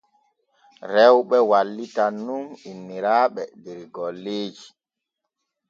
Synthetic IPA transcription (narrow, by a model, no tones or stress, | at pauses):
ɾɛwɓɛwalːitanːuminːiɾaːɓɛdɛɾɡɔlːeːd͡ʒi